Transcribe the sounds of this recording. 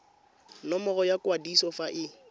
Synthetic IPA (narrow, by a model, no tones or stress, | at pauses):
nɔmɔɣɔjakwadisɔfaʔɪ